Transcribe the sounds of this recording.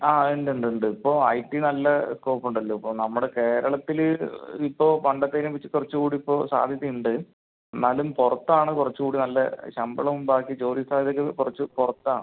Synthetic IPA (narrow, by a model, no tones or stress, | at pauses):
aːeɳɖuɳɖuɳɖɨipːo̞ːɐ̰jʈːinɐlːɐskoːpːuɳɖɐlːoipːoːnɐmːuɽe̞ke̞ːɾɐɭɐt̪ːilipːo̞ːpɐɳɖɐt̪ːeːɾumpit͡ɕːɨkurɐt͡ɕːukuːɽiːpːo̞ːsa̰ːd̪ʱjɐt̪ːijuɳɖɨ | enːaːlumpurɐt̪ːaːɳɨkurɐt͡ɕːukuːɽinɐlːɐ̰ɕɐmbɐɭɐmumbaːkːit͡ɕoːɾist̪aːd̪iðokːekurɐt͡ɕːɨpurɐt̪ːa̰ːɳ